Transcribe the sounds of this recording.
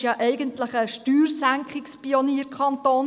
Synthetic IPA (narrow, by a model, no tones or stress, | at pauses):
jɑʔɛɪɡənt̪ləχəʃtyːɾsæŋkχɪkspioniːəɾkʰɑnt̪oːn